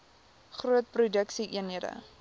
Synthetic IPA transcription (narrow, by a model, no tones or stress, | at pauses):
χruət̚prudəksiʔiənɦiədə̰